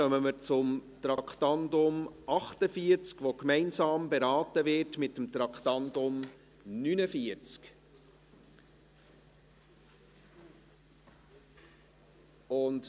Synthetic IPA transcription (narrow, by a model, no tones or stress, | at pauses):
œməməɾt͡sʊmtɾɑktɑndʊmʔɑχtəfiəɾt͡skʋokmɛɪnsɑːmbeɾɑːtəvɪɾtmɪtːəmt̪ɾɑktɑndʊm | nynəfiəɾt͡sk | ʊnd